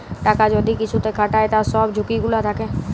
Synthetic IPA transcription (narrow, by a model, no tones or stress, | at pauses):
ʈaːkad͡ʒɔd̪ikɪt͡ʃʰut̪ekʰaʈaːet̪asɔːbd͡ʒʱʊkiɡʊlat̪ʰakeː